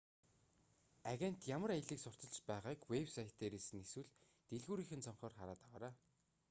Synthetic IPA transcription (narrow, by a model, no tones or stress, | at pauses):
aɣʲen̥t̪jamə̆ɾajə̆ɮiːksʊr̥t̪ɞ̆ɮt͡ɕpæːʁaːkwewsajt̪ːeːɾeːsɘ̆neswɘ̆ɮ | t̪eɮɣuːɾiːxɘ̆nt͡sʰɔɴχɔːrχaɾaːt̪aʁaːɾaː